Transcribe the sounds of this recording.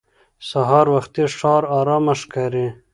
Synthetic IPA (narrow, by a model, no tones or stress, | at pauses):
saɦɑːɾwaxt̪iʂɑːɾɑɾɑːmaʂkaɾi